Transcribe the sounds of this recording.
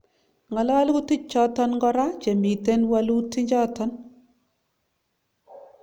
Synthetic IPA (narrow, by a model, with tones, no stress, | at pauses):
ŋa˨lɔ˦wa˦lɡu˦ti˦t͡ʃːɔ˦tɔ˦nŋɡɔ˦ɾa˦t͡ʃe˨mi˨te˦nwa˦lu˦ti˦ɲd͡ʒɔ˦tɔ˦n